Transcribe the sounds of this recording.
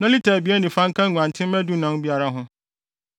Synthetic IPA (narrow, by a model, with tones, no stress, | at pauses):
nã˦li˦tʰaː˨bi˦ɛ˦nɪ̃˨fã˦ŋ̩˦kʰã˦ŋʷ˨ã˨ntʰɪ̃˦m˦mæ˦du˦nã˨˦n˦bi˦a˨ɾa˦ɦʊ̃˦